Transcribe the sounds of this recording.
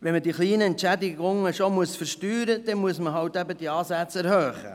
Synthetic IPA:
ʋɛnmədiːχliːnəɛntt͡ʃædɪɡʊŋəʃomuəsfəɾʃtyːɾəd̥̪ɛmuəsməɦɑwt̪æbəd̥̪iɑːsæt͡sæɾhøːχə̰

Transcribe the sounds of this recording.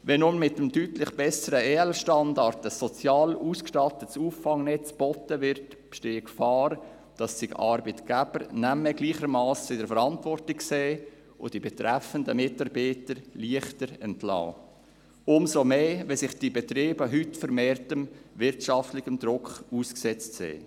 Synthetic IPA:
ʋɛnʊnmɪtəmdytlɪχb̥ɛsəɾəeːɛlʃtɑndɑɾtəsːɔt͡sjɑːluːskʃtɑtətsuːfːɑŋnɛt͡sb̥ɔtəvɪɾt | pʃteːkfɑːɾ | d̥ɑsːɪɡɑ̰ɾbətɡ̥æb̥əɾnæmɛɡliːχəɾmɑːsɪdəɾfəɾɑntvɔrtɪkkseː | ʔʊd̥ibɛtɾæfəndəmɪtɑɾbiːtəɾliəχtəɾɛntlɑ̰ː | ʊmsomeːʋɛsɪχd̥ibɛt̪ɾeːbəɦytfəɾmeːrtəmvɪɾtʃɑftlɪɡəmd̥̪ɾʊkχuːsksɛt͡stsḛː

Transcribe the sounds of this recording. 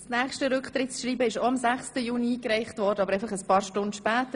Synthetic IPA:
snæːχʃtəɾʏkχtɾɪtt͡sʃɾiːbəɪʃoɑmzæχstəjuːnikɾɛɪχtvɔːɾdəɑbəɾɛɪfɑχəspɑːɾʃtʊndʃpæːtə

